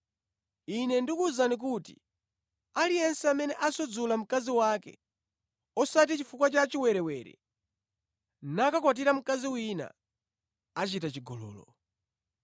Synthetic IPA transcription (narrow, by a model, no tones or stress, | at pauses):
inɛndikuzanik̬utḭ | alijɛnsɛamɛnɛʔasɔd͡zulam̩kaziwakɛ̰ | ɔsat̬it͡ʃifukwat͡ʃat͡ʃiwɛɾɛwɛɾɛ̰ | nakakwat̬iɾam̩kaziwina̰ | at͡ʃitat͡ʃiɡɔlɔ̰ːlɔ